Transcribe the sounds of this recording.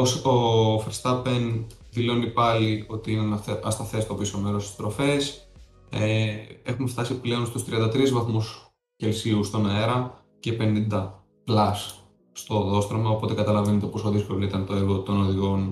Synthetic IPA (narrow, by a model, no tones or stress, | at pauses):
osofɾst̪ɐpenðilo̞nipɐlio̞t̪iinɐɐst̪ɐθe̞st̪o̞piso̞me̞ɾost̪i̥st̪ɾo̞fe̞s | e̞xumeft̪ɐsiple̞o̞nst̪ust̪ɾiɐnd̪ɐt̪ɾizvɐθmus | ce̞lsiust̪onɐeɾɐ | ce̞pe̞nind̪ɐ | plɐs | st̪o̞ðo̞st̪ɾomɐo̞po̞t̪e̞kɐt̪ɐlɐve̞net̪e̞po̞soðiskolit̪ɐnt̪oeɾɣot̪o̞no̞ðiɣo̞n